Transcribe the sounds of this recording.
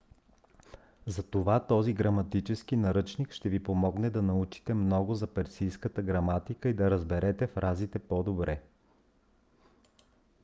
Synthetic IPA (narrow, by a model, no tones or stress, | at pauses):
zɐt̪ovat̪ɔziɡɾɐmɐt̪it͡ʃɛsk̟inɐɾɤt͡ʃnikʃt̪ɛvipomɔɡnɛd̪ɐnɐut͡ʃi̥t̪ɛmnɔɡʊzɐpɛɾsijskət̪əɡɾɐmat̪ikəid̪ɐɾəzbɛɾɛt̪ɛfɾʔazit̪ɛpɔd̪obɾɛ